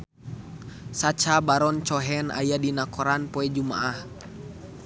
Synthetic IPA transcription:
sat͡ʃabaɾɔnt͡ʃɔɦɛna̰jadinakɔɾanpɔɛd͡ʒuma̰ʔah

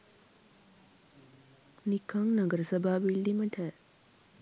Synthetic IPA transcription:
nikʰɐŋnɐɡəɾəsɐbʱaːʋiɭːiməʈʰɛː

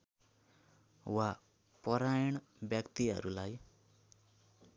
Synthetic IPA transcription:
wa | pʌɾajʌɳ | bjʌkt̪iɦʌ̰ɾulaj

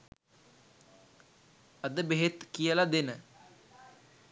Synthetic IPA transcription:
ɐd̪əbeɦet̪kijəlad̪enə

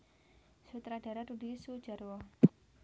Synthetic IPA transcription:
sut̪ɾaɖ̥aɾaɾudisu̥d͡ʒa̤ɾwɔ

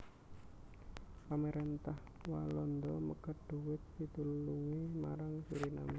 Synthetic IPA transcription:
ameɾɛnt̪ah | walɔnd̪ɔməkəɖ̥ṳwɪt̪̚sit̪ulluŋimaɾaŋsuɾina̰me

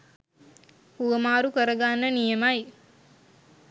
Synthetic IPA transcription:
huʋəmaːɾukəɾəɡanːənijəmaj

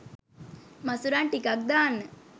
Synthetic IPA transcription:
masuɾaɳʈikak̚d̪aːnːə

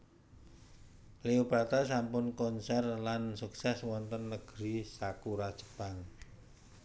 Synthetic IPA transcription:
leopɾat̪as̬ampʊnkɔnsɛrlansuksɛswɔnt̪ənːəɡ̥ɾisakuɾḁʒ̥ə̥paŋ

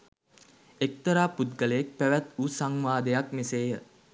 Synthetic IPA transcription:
ek̚t̪əɾaːput̪̚ɡələek̚pæʋæt̪usaŋʋaːd̪ejakmeseːjə

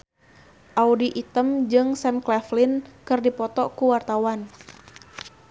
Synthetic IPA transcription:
ʔaudiʔit̪əmd͡ʒɨŋsɛmklɛflɪnkɨrdipɔt̪ɔkuwart̪awan

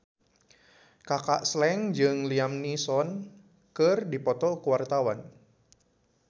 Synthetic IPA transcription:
kaka̰ʔslɛŋd͡ʒɨŋliamnisɔn | kɨrdipɔt̪ɔkuwart̪awan

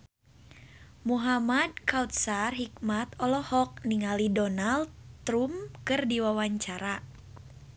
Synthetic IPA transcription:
muɦamad̚kawt̪̚sarɦik̚mat̪ɔlɔhɔk̚niŋalidɔnaldt̪ɾumkɨrdiwawaɲt͡ʃaɾa

